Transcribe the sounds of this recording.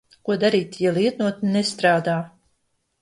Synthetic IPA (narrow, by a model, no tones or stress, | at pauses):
kuɔd̪aɾiːt̪jalˠiɛt̪nuɔt̪nɛst̪ɾaːd̪aː